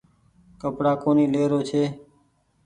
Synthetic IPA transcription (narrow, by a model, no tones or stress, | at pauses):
kəpɽaːkoːniːleːɾoːt͡ʃʰeː